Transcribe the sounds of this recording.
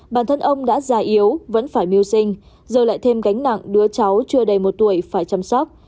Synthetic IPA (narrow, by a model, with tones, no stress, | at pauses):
ɓaː˧˩nt̪ʰə˧nʔə˧wŋ͡mɗa̰ː˧˥zaː˨˧˩ʔi˨˦əwvə̰˧˥nfaː˧˩jmi˧əwsï˧ŋ̟ | zəː˨˩la̰ː˧˨jt̪ʰe˧mka˨˦jŋ̟na̰˧˨ŋɗɨ˨˦ət͡ɕa˨˦wt͡ɕɨ˧əɗə˧˩jmo˨˩t̚t̪u˧˩əjfaː˧˩jt͡ɕa˧msɔ˦˥k͡p̚